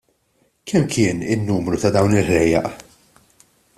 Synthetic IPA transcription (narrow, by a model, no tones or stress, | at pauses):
kʰɛmːkʰɪːnɪ̰nːuːmɾut̪ɐd̪ɐwnɪlħlɛjːɐʔ